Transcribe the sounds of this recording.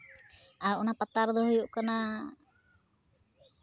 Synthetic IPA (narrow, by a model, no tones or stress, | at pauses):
aʔɔnapat̪aɾd̪ɔɦujuʔkana